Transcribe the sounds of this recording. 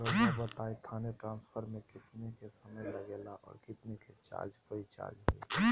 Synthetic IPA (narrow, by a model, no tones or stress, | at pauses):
ɾəkobət̪aːit̪ʰaːneʈɾãːnspʰəɾmẽkɪt̪nekesəməjlɐɡeːlaʔɔ̰ːɾkɪt̪neket͡ʃa̰ːɾd͡ʒkoit͡ʃa̰ːɾd͡ʒɦʊḛ